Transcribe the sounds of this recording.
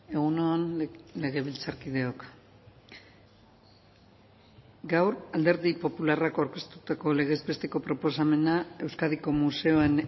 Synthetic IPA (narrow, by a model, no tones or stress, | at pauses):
e̞ɣ̞unoanle̞ɣe̞βilt͡saɾkið̞e̞o̞k | ɡawɾald̪e̞ɾðipo̞pularakawɾke̞st̪ut̪ako̞le̞ɣ̞ezbe̞st̪e̞ko̞pɾo̞po̞s̬ame̞nae̞wskaðiko̞muse̞o̞en